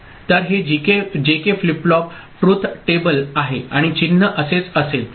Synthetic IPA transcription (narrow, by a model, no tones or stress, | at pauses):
t̪əɾɦed͡ʑiked͡ʑekefliplɔp | ʈɾut̪ʰʈebəlaɦeaɽ̃it͡ɕinːəʔəset͡səsel